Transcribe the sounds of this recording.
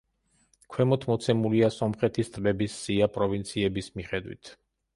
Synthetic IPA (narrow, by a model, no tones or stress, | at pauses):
kʰwɛmɔt̪ʰmɔt̪sʰɛmuliasɔmχɛt̪ʰist̪ʼbɛbisːiapʼɾɔvint̪sʰiɛbismiχɛd̪wḭt̪ʰ